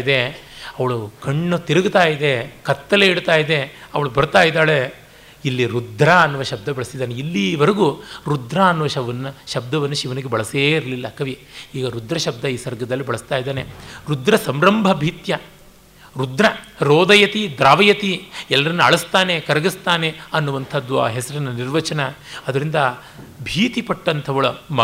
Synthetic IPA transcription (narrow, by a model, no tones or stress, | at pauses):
d̪e̞ɐʋɐɭukɐɳːut̪iɾɐɡut̪aːjid̪e̞kɐt̪ːɐleiɽt̪aːjid̪e̞ɐʋɐɭubɐɾt̪aːjid̪aːɭe | ilːiɾud̪ʱɾaɐnːuʋɐʃɐb̚d̪ɐbɐɭɐsid̪aːneilːiʋɐɾɐɡuɾud̪ɾaɐnːuʋɐʃɐʋɐnːɐʃɐb̚d̪ɐʋɐnːuʃiʋɐniɡebɐɭɐseːiɾlilːɐkɐʋiiːɡɐɾud̪ɾɐʃɐb̚d̪ɐiːsɐɾɡɐd̪ɐlːibɐɭɐst̪aːjid̪aːneɾud̪ɾɐsɐmɾɐmbʱɐbʱiːt̪jɐ | ɾud̪ɾɐɾoːd̪ɐjɐt̪id̪ɾaːʋɐjɐt̪iɛlːɐɾɐnːuɐɭɐst̪aːnekɐɾɐɡist̪aːneɐnːuʋɐnt̪ʰɐd̪ːua̰ːɦɛsɐɾinɐniɾʋɐt͡ʃɐnɐɐd̪ɐɾind̪ɐ | bʱiːt̪ipɐʈːɐnt̪ʰɐʋɐɭum